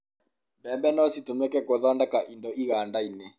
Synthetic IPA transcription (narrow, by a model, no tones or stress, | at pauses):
bɛmbɛnɔsitomɛkɛkoðɔndɛkaʔindɔiɣandainɛ